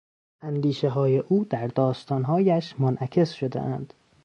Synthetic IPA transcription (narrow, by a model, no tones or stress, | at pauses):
ʔænd̪iːʃeɦɒːjeʔuːd̪̥æɾd̪ɒːst̪ɒːnɦɒːjæʃmonʔækʰe̞sʃo̞d̪ḛʔænd̪̥